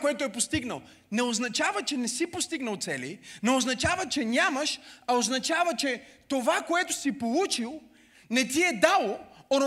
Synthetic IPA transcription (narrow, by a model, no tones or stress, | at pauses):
koɛt̪ʊɛpost̪iɡnə̰lˠ | nɛoznɐt͡ʃavət͡ʃɛnɛsipost̪iɡnəlˠt̪sɛlḭnɛoznɐt͡ʃavət͡ʃɛnʲaməʃɐoznɐt͡ʃavət͡ʃɛt̪ovakoɛt̪o̥sipolˠut͡ʃilˠ | nɛt̪iɛd̪alˠoon